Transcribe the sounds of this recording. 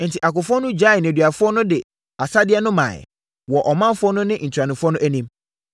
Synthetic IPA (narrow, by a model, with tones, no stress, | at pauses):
n̩˨tʰi˨ʔa˨kʊ˨fʊ˦ɔ˦nʊ̃˦d͡ʑa˦ɪ˨nɪ̃˨æ˨dɥa˨fʊ˦ɔ˦nʊ̃˦dɪ˨ | a˨sa˦dɪ˦ɛ˦nʊ̃˦mã̰˨ | wɔ˨ʔɔ˨mã˦m˦fʊ˦ɔ˦nʊ̃˦nɪ̃˦n̩˨tʰa˨nɪ̃˨fʊ˦ɔ˦nʊ̃˦ʔæ˦nĩ˦m